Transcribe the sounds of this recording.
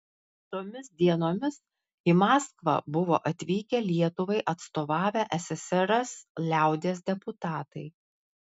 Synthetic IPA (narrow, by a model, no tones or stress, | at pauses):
t̪oːmʲɪsd̪ʲiɛnoːmʲɪs | imɑːskʋɐ̰bʊʋo̰ːʔɐt̪ʲʋʲiːkʲɛlʲiɛt̪ʊʋɐɪʔɐt̪st̪oːʋɑːʋʲæʔɛsʲɛsʲɛɾɐslʲæˑʊd̪ʲeːs̬d̪ʲɛpʊt̪ɑːt̪ɐɪ